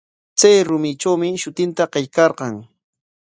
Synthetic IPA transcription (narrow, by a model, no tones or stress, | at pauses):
t͡sajɾʊmɪt͡ʃawmɪʃʊt̪ɪnt̪aɢejkɑɾɢɑŋ